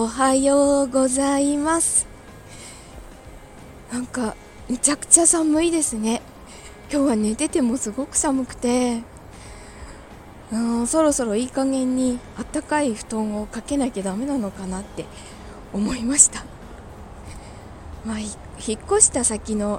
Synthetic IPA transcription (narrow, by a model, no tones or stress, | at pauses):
oɦajoːɡo̞zaimasɨ̥ | nãŋka | mɯ̟t͡ɕakɯ̟̥t͡ɕasamɯ̟id̪e̞sɨne̞ | kʲo̞ːβane̞t̪e̞t̪e̞mo̞sɨɡo̞kɯ̟̥samɯ̟kɯ̟̥t̪e̞ | ɯ̃ːso̞ɾo̞so̞ɾo̞iːkaŋɡẽ̞ɲ̟ːi | at̪ːakaiɸɯ̟̥t̪õ̞ɰ̃o̞kake̞naiked̪ame̞nano̞kanat̪ːe̞ | omo̞imaɕi̥t̪a | maːçi | çikːo̞ɕi̥t̪asakʲino̞